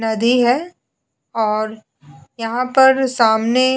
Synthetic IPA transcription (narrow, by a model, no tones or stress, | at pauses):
nɐd̪iɦɛː | ɔːɾ | jɐɦãpɐɾsaːmne